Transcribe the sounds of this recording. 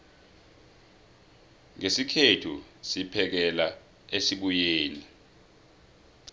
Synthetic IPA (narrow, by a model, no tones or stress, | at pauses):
ŋesikʰetʰṵsipʰɛk̬ɛla | esiɓujeːni